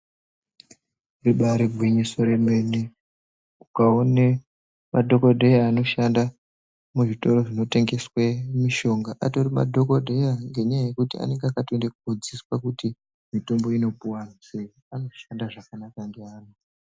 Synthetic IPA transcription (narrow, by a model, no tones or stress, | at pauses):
reɓaɾeɡʱwiɲisoɾeme̞ne | ukaone | madʱo̞ko̞dʱejaːno̞ʃanda | muʐito̞ɾo̞ʐino̞te̞ŋɡe̞swemiʃo̞ŋɡaʔatorima̰dʱo̞kodʱejaŋɡe̞ɲajaje̞kutia̰ne̞ŋɡeakatoendekuɡʱud͡ziswakuti | mito̞mbo̞ino̞puwanasei | ano̞ʃandaʐakanakaŋɡeaːno